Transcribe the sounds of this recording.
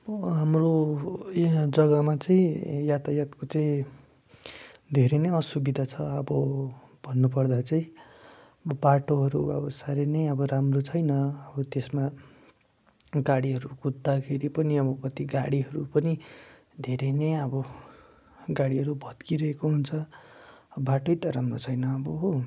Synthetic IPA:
ɦamrojd͡zʌɡamat͡saĩjat̪ajat̪kot͡saĩ | d̪ʱeɾenʌjʌsubid̪ʱat͡sʰʌʌbʌ | bʱʌnːupʌrd̪at͡saĩ | baʈoɦʌɾuʌ̰bʌsaɾenʌjʌbʌɾamrot͡sʰʌjnʌʌbʌt̪esma | ɡaɽiɦʌɾukud̪ːakʰeɾipʌniʌbʌkʌt̪iɡaɽiɦʌɾupʌni | d̪ʱeɾenʌjʌbʌ | ɡaɽiɦʌɾubʱʌd̪kiɾʌɦekoɦunt͡sʰʌ | baʈoit̪ʌɾamrot͡sʰʌjnʌʌbʌɦ

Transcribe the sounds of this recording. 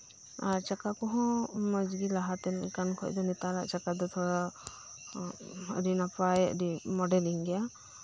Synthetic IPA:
aɾt͡ʃakakɔɦɔ̃məd͡ʒɡilaɦat̪ɛnkankʰɔ̰cd̪ɔnɛt̪aɾa̰ʔt͡ʃakad̪ɔt̪ʰɔɽa | ɾinapajəʔɖimɔɖɛliŋɡɛja

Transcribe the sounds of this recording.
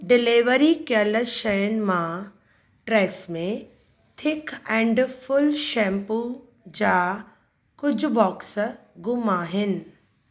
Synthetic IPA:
ɖɪleːʋəɾikələʃɐjənɪ̆mã | ʈɾɛːsmẽ | t̪ʰɪkɛ̃ːɳɖfʊlʃɛ̃ːmpu | d͡ʑaː | kʊd͡ʑʱʊbɔːks | ɡʊmaːɦɪnɪ̆

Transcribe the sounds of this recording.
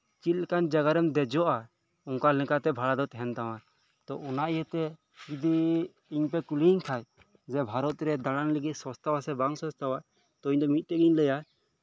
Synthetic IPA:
t͡ʃit̪kand͡ʒaɡaɾɛmd̪ɛd͡ʒɔʔa | ɔŋkalɛ̃kat̪ɛbʱalad̪ɔt̪ɛɦɛnt̪aw̃a | t̪ɔ̰ʔɔnaʔjɛt̪ɛ | kid̪iː | ɲpɛkuliɲkʰaj | d͡ʒɛbʱaɾɔt̪ɾɛd̪aɽanləɡit̪̚ʲˀsɔst̪awasɛbaŋsɔ̃st̪awa | t̪ɔiɲd̪ɔmit̪̚t̪ɛɡiɲləja

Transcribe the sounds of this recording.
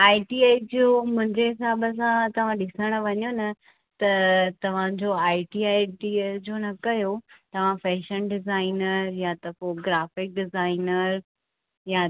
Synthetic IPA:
aːiʈiaːid͡ʑomʊ̃ɦɪ̃ɲd͡ʑeɦɪsaːbəs̬ãt̪ɐʋ̤ãɗɪsəɽ̃ə̆ʋɐɲonɐ | t̪ɐt̪ɐʋ̤ãd͡ʑoaːiʈiaːʈid͡ʑonɐkɐjot̪ɐʋ̤ãfɛːʃənɖɪzaːɪnəɾjat̪ɐfoɡɾaːfɪk̚ɖɪzaːɪnəɾ | ja

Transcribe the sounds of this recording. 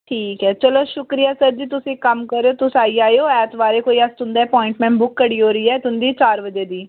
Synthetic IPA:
ʈʰiːkɦɛːt͡ʃəloːʃʊkɾijaːsəɾd͡ʒiːt̪ʊsĩːkəmkəɾeoːt̪ʊsaːiːaːjoːɛːt̪ʋaːɾeːkoːiːəst̪ʊ̃nd̪aːɛːpɔːɪ̃ɳʈmɛ̃ːɳʈbʊkːəɽiːɦoːɾəiːɛːt̪ʊnd̪iːt͡ʃaːɾʋəd͡ʒeːd̪iː

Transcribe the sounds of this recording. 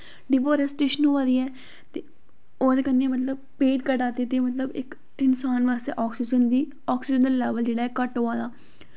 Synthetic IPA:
ɖiːpoːɾɛsʈeːʃənɦoːʋaːd̪iːɛː | t̪eː | oːd̪eːkənːeːmət̪̬ləb̚peːʈ̚kəɖaːt̪et̪eːmət̪ləbɪ̰k | ɪnsaːnʋaːst̪ḛːʔɔːksɪd͡ʒənd̪iː | ɔːksɪd͡ʒənd̪alɛːʋəld͡ʒeːɽaːɛːkəʈɦoːaːd̪aː

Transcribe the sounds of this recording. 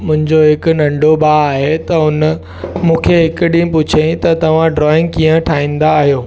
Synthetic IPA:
mʊ̃ɦɪ̃ɲd͡ʑoɦɪkʊ̆nɐ̃ɳɖʱobaːaːɦet̪ɐɦʊn | mũːkʰeɦɪkəɗĩpʊt͡ɕʰẽt̪ɐt̪ɐʋ̤ãɖɾɔːɪ̃ŋɡ̚kiːə̃ʈʰaːɦĩːn̆d̪aːɦijoː

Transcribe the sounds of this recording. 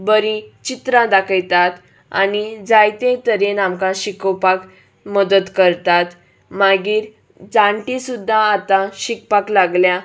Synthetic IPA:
bəɾĩt͡ɕit̪ɾãd̪akʰəjt̪at̪ | a̰nid͡zajt̪ẽt̪əɾenamkaɕikəwpak | məd̪ət̪kəɾt̪at̪ | maɡiːɾ | d͡zãɳʈisud̪ʱːaːt̪ãɕik̚paklaɡlja

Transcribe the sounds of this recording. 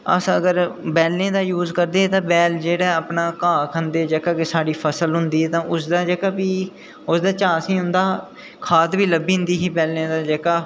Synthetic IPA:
ə̰səɡəɾbɛːlnẽːd̪aːjuːzkəɾd̪eːt̪ãːbɛːld͡ʒeːɽɛːəpnaːkãːkʰənd̪eːd͡ʒəːkaːkesaːɽiːpʰəsəlɦʊnd̪iːt̪ãːʔʊsd̪aːd͡ʒəːkaːpiː | ʊsd̪aːt͡ʃaːsĩːɦʊ̃nd̪aː | kʰaːt̪ʋiːləbiːɦʊ̃nd̪iːɦiːbɛːlnẽːd̪aːd͡ʒɛːkaː

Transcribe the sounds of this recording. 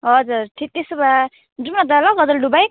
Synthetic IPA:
ɦʌd͡zuɾʈʰik̚t̪esuba | d͡zumnad̪alʌɡʌd̪ʌlɖubaj

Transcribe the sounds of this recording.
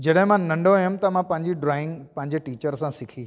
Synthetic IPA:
d͡ʑɐɗɦɪ̃mãnɐ̃ɳɖʱojʊmt̪ɐmãpɐ̃ɦɪ̃ɲd͡ʑiɖɾaːɪ̃ŋɡpɐ̃ɦɪɲd͡ʑeʈiːt͡ɕəɾsãsɪkʰiː

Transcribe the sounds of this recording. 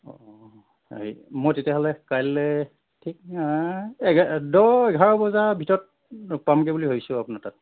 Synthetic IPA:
ɔ̰ | aɦḭmojtetjaɦɔlɛkajlɛ | tʰik̚ | ɛɡdɔɛɡʱaɹɔbɔzabʱitɔɔt̚ | pamk̬ɛbuliɦojsʊ̃apunatat̚

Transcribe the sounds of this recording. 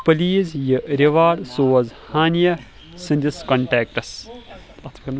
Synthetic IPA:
pɐliːzjɨɾeʋaːɽsoːɐzhaːnijɐ | sɨ̃nʲd̪ʲiskɐɳʈeːk̚ʈɐs | ɐt̪ʰkɐn

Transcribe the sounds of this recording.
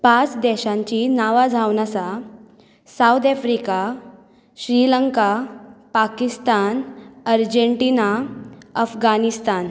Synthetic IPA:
pat͡sd̪ɛɕãɲt͡ɕinaʋad͡zʱawnat͡sa | sawd̪ɛfɾika | ɕɾiləŋkapakist̪anəɾd͡ʑəɳʈiːnaəfɡanist̪an

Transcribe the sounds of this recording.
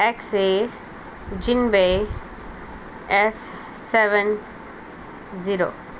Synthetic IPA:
ɛkse | d͡ʒinbe | ɛsː | ɛʋən | ziɾo̰ː

